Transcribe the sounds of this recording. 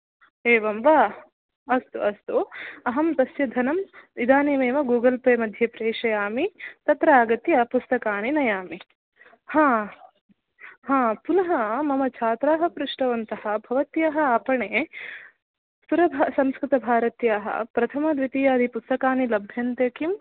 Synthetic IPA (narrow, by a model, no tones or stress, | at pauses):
eːʋɐmʋa | ɐst̪uʔɐst̪uɐɦɐmt̪ɐsjɐd̪ʱɐnɐmid̪aːneːmeːʋɐɡuːɡɐlpɐjmɐd̪ʱjɐpɾeːʂɐjaːmit̪ɐt̪ɾɐaːɡɐt̪jɐpust̪ɐkaːninɐjaːmi | hãː | hãːpunɐɦɐmɐmɐt͡ʃʰaːt̪ɾaːɦɐpɾuʂʈɐʋɐnt̪ɐhɐ̆bʱɐʋɐt̪jaːɦɐaːpɐɳeː | suɾɐbʱsɐmskɾɪt̪ɐbʱaːɾɐt̪jaːɦɐ̰pɾɐt̪ʰɐmɐd̪ʋit̪ijaːd̪ʱipust̪ɐkaːnilɐbʱjɐnt̪eːkim